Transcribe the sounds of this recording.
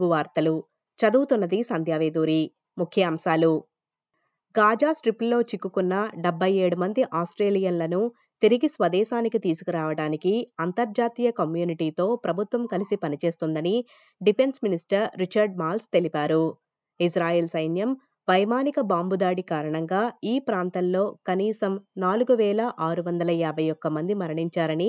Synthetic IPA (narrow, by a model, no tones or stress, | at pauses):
ɡuʋaːɾt̪ɐlu | t͡ʃɐd̪uːt̪unːɐd̪isɐnd̪ʱjaːʋeːd̪uːɾi | mukʰjɐːmʃaːlu | ɡaːd͡ʒaːsʈɾipllo̞ːt͡ʃikːukunːɐɖɐbʱːɐje̞ːɽumɐnd̪iʔaːsʈɾeːlijɐnlɐnu | t̪iɾiɡisʋɐd̪ɛːʃaːnikit̪iːsu̥kiɾaːʋɐɽaːnikiɐnt̪ɐɾd͡ʒaːt̪iːjɐkɐmjuːniʈiːt̪o̞ːpɾɐbʱut̪ʋɐmkɐlisipɐnit͡ʃe̞ːst̪und̪ɐni | ɖipʰe̞nsminisʈɐɾːit͡ʃɐɾɖmaːlst̪elipaːɾu | is̬ɾaːjeːlsɐjnjɐm | ʋɐjmaːnikɐbaːmbud̪aːɽikaːɾɐɳɐŋɡaːiːpɾaːnt̪ɐnlo̞ːkɐniːsɐmnaːluɡuʋɛːlɐʔaːɾuʋɐnd̪ɐlɐaːbʱɐjɔkːɐmɐnd̪imɐɾɐɳiɲt͡ʃaːɾɐni